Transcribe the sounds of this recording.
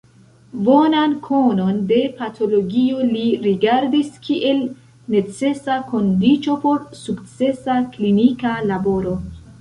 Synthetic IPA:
bo̞nankʰo̞no̞nde̞patʰo̞lo̞ɡioliɾiɡaɾdiskʰiʔe̞l | ne̞t͡se̞sako̞ndit͡ʃo̞po̞ɾsukt͡se̞saklinikalabo̞ɾo̞

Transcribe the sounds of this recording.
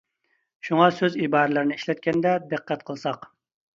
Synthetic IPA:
ʃuŋɑsøzibɑːɾɨlˠɨɾnɪiʃlɛt̪̚kʲɛnd̪ɛd̪ɨqʰːɛt̪̚qʰəlˠsɑq

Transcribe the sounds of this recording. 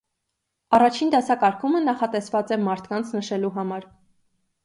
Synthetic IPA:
ɑrɑt͡ʃʰind̪ɑsɑkɑɾkʰumənɑχɑt̪ɛsvɑt͡sɛmɑɾt̪ʰkɑnt͡sʰnəʃɛluɦɑmɑɾ

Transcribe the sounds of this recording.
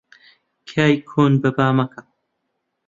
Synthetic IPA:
kʰaːjkʰoːnbɐbaːmɐkɐ

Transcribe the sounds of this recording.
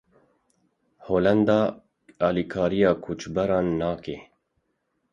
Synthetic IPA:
hoːlɛnd̪ɑː | ɑːlikʰɑːɾijɑːkʰut͡ʃbɛɾɑːnːɑːkeː

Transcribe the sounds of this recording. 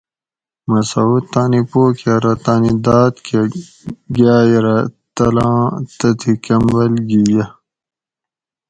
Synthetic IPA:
mɐsɐut̪ːaːnipoːkɐɾɐt̪aːnid̪aːt̪kʰe | ɡaːjɐɾɐt̪ɐlɑ̃ːt̪ɐt̪ʰikɐmbɐlɡijɐ

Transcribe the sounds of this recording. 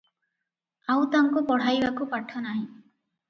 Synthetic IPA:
awt̪aŋkupɔɽ̤ajbakupaʈʰɔnaɦĩ

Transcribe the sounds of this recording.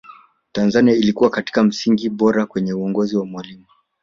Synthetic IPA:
tanzaniailikuwakati̥kam̩siŋɡiɓɔɾakwɛɲɛuɔŋɡɔziwamwalima

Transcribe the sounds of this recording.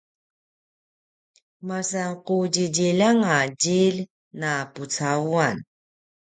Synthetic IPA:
masaŋquɟiɟilaŋaɟil | naput͡sauan

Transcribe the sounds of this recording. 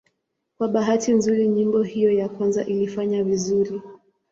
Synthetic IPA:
kwaɓaɦatinzuɾiɲimbɔhijɔjakwanza̰ʔilifaɲavizuɾi

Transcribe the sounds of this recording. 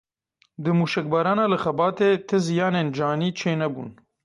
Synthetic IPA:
d̪ɨmuːʃɛk̚bɑːɾɑːnaːlɨxɐbɑːt̪eːt̪ʰɪzijɑːnend͡ʒaːniːt͡ʃʰeːnɛbṵːn

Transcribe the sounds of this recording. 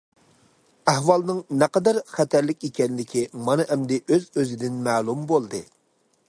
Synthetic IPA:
æhwɑlˠnɨŋnɛqɑd̪ɑɾχɛt̪ʰæɾlɪkʲikʲɛnlɪkʲʰimɑnɨʔɛmd̪ɪʔøzøzɪd̪ɪnmæːlˠumbolˠd̪ɨ

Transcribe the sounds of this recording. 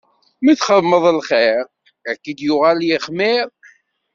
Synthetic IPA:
miθχəmːəðˤəlχeɾ | ækːid̪jʊʁaljiχmɪɾ

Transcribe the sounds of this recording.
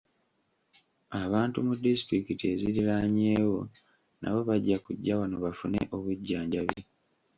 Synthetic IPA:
aβaːntumudisi̥tɾikitie̞ziɾilaɲeːwo̞ | nʔa̰βo̞βaɟːakuɟːawano̞βafune̞̰ʔo̞βuɟːaːɲɟaβje

